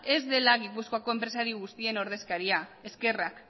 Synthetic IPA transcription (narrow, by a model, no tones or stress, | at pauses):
e̞zd̪e̞laɣipusko̞ako̞e̞mpɾe̞saɾiɣust̪ie̞no̞ɾð̞e̞skaɾiae̞ske̞rak